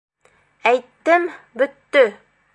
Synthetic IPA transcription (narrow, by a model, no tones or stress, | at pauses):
æjt̪ːɘm | bɵ̆t̪ːɵ